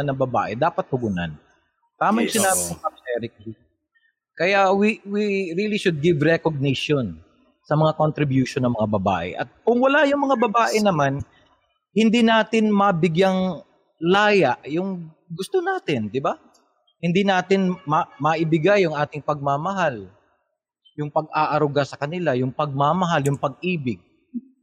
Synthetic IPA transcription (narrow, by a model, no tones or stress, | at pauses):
nɐŋbɐba̰ːʔɛd̪aːpɐt̪̚hʊɡʊna̰n | t̪aːmansɪnaːbɪsɐp̚sɛɾɪkli | kɐjawiwiɾiliʃʊd̪̚ɡɪvɾɛkoɡ̚nɪʃon | sɐmɐŋakont̪ɾɪbjuːʃonːɐŋmɐŋabɐba̰ːʔɛ̰ʔɐ̰t̪̚kʊŋwɐlajʊŋmɐŋabɐbaːʔɛnɐman | hɪnd̪inaːt̪ɪnmɐbɪɡjaŋ | laːjaʔjʊŋ | ɡʊst̪onaːt̪ɪnd̪ɪba | hɪnd̪inaːt̪ɪnmɐmɐʔɪbɪɡajːʊŋʔaːt̪ɪŋpɐɡ̚mamɐɦal | jʊŋpɐɡ̚aʔɐɾʊɡasɐkɐnɪlajʊŋpɐɡ̚mamɐɦaljʊŋpɐɡ̚ʔiːbɪɡ̚